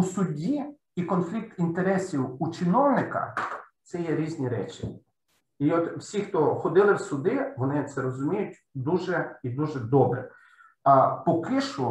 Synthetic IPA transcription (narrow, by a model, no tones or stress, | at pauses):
usʊdʲi | ikɔnflʲik̚t̪int̪eɾɛsʲiwut͡ʃɪnɔwnɪkɐ̰t̪sɛjɛɾʲizʲnʲiɾɛ̰t͡ʃʲɪ | iɔt̪wsʲixt̪ɔxɔd̪ɪlˠɪwsʊd̪ɪʋɔnɪt̪sɛɾɔzʊmʲijʊtʲ | d̪uʒɛid̪uʒɛd̪ɔbɾɛ̰ | pɔkɪʃʊ